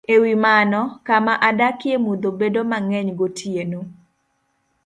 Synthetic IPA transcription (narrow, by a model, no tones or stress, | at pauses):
ewimanɔkamaʔadakjemud̪obedomaŋɛɲɡotʰjeno